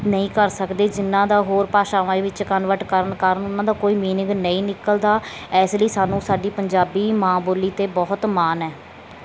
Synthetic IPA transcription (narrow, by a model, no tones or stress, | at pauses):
nəĩːkəɾsəkd̪eːd͡ʒɪnːãːd̪aːɦoːɾpaːʃaːʋãːeʋɪt͡ʃkənʋəʈkəɾənkəɾənʊnːãːd̪aːkoːiːmiːnɪŋɡnəĩːnɪkəld̪aːɛːsləiːsaːnũːsaːɖiːpəɲd͡ʒaːbiːmãːboːliːt̪eːbɔːt̪maːnɛː